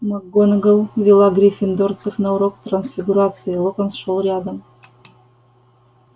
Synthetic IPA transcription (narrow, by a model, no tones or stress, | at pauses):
mɑɡːonɡəlˠvʲilˠɑɡɾʲifʲɪnd̪ort̪səfnɑuɾokt̪rɐnsfʲiɡuɾat̪sɨilˠokənsʃolˠɾʲad̪əm